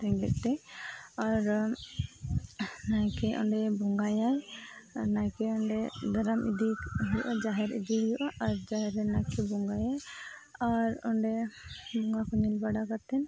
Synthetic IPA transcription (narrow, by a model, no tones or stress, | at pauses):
t̪ɛŋɡɛt̪̚t̪ɛaɾ | nakɛʔɔ̰ɳɖɛbɔŋɡajaj | najkɛɔɳɖɛd̪aɾamʔḭd̪ikɦujʔad͡ʒaɦɛɾḭd̪iɦujuʔaʔːɾd͡ʒaɦɛɾɛnajkɛbɔŋɡajajaɾɔɳɖɛbɔŋɡakɔnilbaɽakat̪ɛn